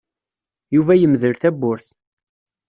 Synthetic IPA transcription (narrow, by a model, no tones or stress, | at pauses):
juvæjəmðəɾθæbːʊɾθ